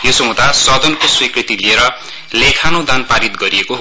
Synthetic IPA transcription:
josʌmõt̪asʌd̪ʱʌnkoswikrit̪ilieɾʌ | lekʰanod̪anpaɾit̪ɡʌɾiekoɦ

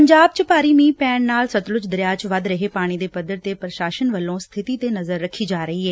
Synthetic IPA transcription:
pəɲd͡ʒaːbt͡ʃəpaːɾiːmiːpɛːɳnaːlsət̪lʊt͡ʃd̪əɾjaːt͡ʃʋəd̪ɾəɦeːpaːɽ̃iːd̪eːpəd̪əɾt̪eːpɾəʃaːʃənʋəlːõːst̪ʰɪt̪iːt̪eːnəzəɾːəkʰːiːd͡ʒaːɾəɦiːɦɛː

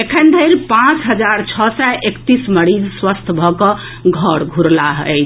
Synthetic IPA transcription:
ekʰənd̪ʱəɪɾpãt͡ʃɦəd͡ʒaɾt͡ʃʰɔsɛʔekt̪isməɾid͡ʒswəst̪ʰbʱɔkɔ̃ | ɡʱɔɽɡʱuɾlaɦət͡ʃʰ

